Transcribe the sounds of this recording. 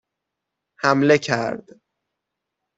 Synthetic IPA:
hæmle̞cʰæɾd̪̥

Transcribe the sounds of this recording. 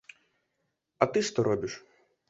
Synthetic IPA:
ɐt̪ɪʂt̪ɔɾɔbʲɪʃ

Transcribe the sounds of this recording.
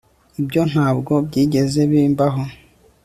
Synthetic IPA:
ibjo̞n̥haːbɡo̞bɟiːɟe̞ze̞βiːmbaɦo

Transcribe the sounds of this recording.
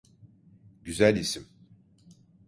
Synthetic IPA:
ɟyzælʲisim

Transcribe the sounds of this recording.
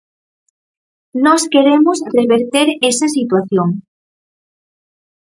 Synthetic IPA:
nɔskeɾemʊsreβeɾt̪eɾesɐsit̪waθjoŋ

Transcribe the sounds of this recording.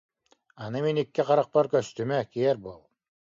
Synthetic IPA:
ɑnɯminikːiqɑɾaq̚paɾkœst̪ymɛkiɛɾbolˠ

